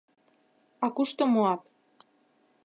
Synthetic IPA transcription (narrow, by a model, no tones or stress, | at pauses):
ɑkuʃt̪omoɑp